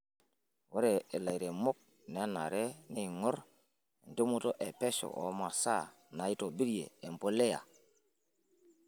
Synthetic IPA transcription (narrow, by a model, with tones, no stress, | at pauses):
wo˦ɾe˨e˨la˨jɾe˨mo˦k̚ | ne˨a˦na̰˨ɾe˦ne˦˨ŋɔ˦ɾ | n˨do˦mo˦to˦ʔe˨pɛ˦so̰˨ʔo̰˦ma˨sa˦ | na˨i˦to˨bi˦ɾjḛː˨m˨po˦le˦ja̰˨